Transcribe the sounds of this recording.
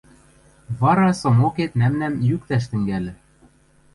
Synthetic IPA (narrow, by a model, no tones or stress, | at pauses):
βɑɾɑsɤ̆moket̪næmnæmjyk̚t̪æʃ̬t̪ɘ̆ŋɡælɘ̆